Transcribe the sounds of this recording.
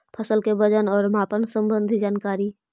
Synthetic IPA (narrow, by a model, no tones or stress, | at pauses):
pʰəsəlkebəd͡ʒənɔːɾmaːpənsə̃mbə̃nd̪ʱid͡ʒaːnkaːɾi